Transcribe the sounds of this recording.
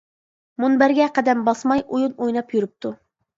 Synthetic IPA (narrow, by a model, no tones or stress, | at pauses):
munbæɾɡʲɛqʰæd̪ɛmbɑsmɑjʔujunojnɑpjyɾɨp̚t̪ʰu